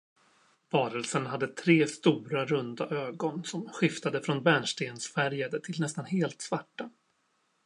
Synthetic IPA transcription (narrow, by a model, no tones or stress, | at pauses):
vɑːɾəlsənɦad̪ːət̪ʰɾeːst̪uːɾaɾɵnd̪aʔøːɡɔnsɔmɧɪft̪ad̪əfɾɔnbæɳʂʈeːnsfæɾjad̪ət̪ʰɪlnɛst̪anɦeːlt̪svaʈːa